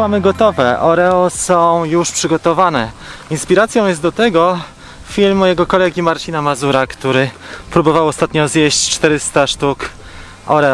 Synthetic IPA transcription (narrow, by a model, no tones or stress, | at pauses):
wamɘɡɔt̪ɔvɛʔɔɾɛɔsɔ̃w̃juʂpʂɘɡɔt̪ɔvanɛinspʲiɾat̪sjɔ̃w̃jɛst̪d̪ɔt̪ɛɡɔ | fʲilmːɔjɛɡɔkɔlɛɡʲimaɾt͡ɕinamazuɾakt̪uɾɘ | pɾubɔvawɔst̪at̪ɲɔzjɛɕt͡ɕt͡ʂt̪ɛɾɘst̪aʂt̪uk | ɔ̰ɾɛɔ